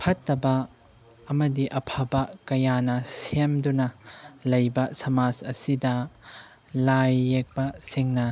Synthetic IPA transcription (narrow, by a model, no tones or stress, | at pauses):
pʰɐtːɐbɐ | ɐmɐdiʔɐpʰɐbɐkɐjanɐsemdunɐlɐjbɐsɐmasɐ̰sidɐ | lajːek̚bɐsiŋnɐ